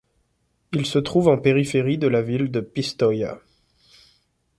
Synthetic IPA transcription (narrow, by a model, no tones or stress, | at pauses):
ilsət̪χuvɑ̃peʁifeʁid̪əlavild̪əpist̪ɔja̰